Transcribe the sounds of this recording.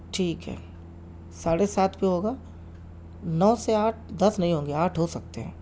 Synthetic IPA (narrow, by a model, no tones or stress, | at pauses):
ʈʰiːkɦɛ̰ː | saːɽesaːt̪ʰbiɦoːɡaː | nɔːseaːʈ̚ʰd̪ɐsnɐɦĩɦõːŋɡeaːʈʰɦosɐk̚t̪eɦɛ̃ː